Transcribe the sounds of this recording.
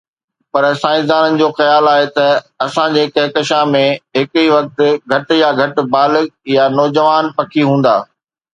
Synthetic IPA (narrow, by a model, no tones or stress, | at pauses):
pɐɾsãːɪ̃s̬d̪aːnənɪ̆d͡ʑoːxɐjaːlaːɦet̪ɐɐsãd͡ʑeːkɐɦkɐʃãmẽɦɪkiʋɐk̚t̪ɪɡʱɐʈ̆jaɡʱɐʈɪ̆baːlɪjanɔːd͡ʑəʋaːnpɐkʰiɦũːn̆d̪a̰ː